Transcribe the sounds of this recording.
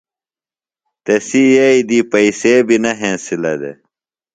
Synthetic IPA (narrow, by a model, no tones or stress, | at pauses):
t̪esijeid̪iːpɐiseːbinɐɦẽːsilɐd̪ḛ